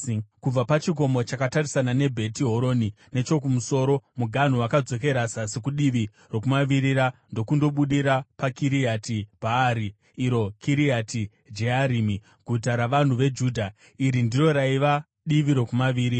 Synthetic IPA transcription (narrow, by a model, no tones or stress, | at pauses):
kub͡vapat͡ʃik̬o̞mo̞t͡ʃakatarisanane̞bʱe̞tiɦo̞ɾo̞ni | ne̞t͡ʃo̞kumuso̞ːɾo̞muɡʱan̤owakad͡zo̞ke̞ɾasasikuɗiʋi | ro̞kumaʋiɾiɾando̞kundo̞ɓuɗiɾapakiɾiatibʱaːɾiː | ɾo̞kiɾiatʰi | d͡ʒeaɾimi | ɡʱutaɾaʋan̤uʋe̞d͡ʒuːdʱa | iɾindiro̞ɾaiʋa | ɗiʋiɾo̞kumaʋiːɾi